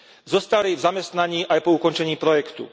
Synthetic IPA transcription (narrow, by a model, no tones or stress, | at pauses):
zɔst̪aɾiːvzamɛst̪naɲiːʔajpɔukɔnt͡ʃɛɲiːpɾɔjɛkt̪ṵ